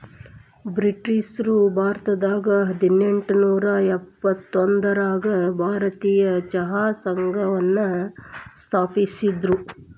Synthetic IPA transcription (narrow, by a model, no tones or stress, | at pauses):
bɾiʈːisɾubʱaːɾt̪ɐd̪aːɡɐɦɐd̪ineɳʈunuːɾɐɛpːɐt̪ːond̪ɐɾaːɡɐbʱaːɾɐt̪iːjɐt͡ʃɐɦaːsɐŋɡʱɐʋɐnːɐst̪ʰaːpisid̪ɾu